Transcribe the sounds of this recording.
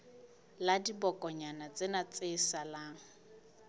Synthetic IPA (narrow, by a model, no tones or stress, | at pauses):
ladibɔkʼɔɲanat͡sʼenat͡sʼɪsalaːŋ̩